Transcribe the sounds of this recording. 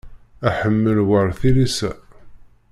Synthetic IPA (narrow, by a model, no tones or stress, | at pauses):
æħəmːəlwəɾˤθilisæ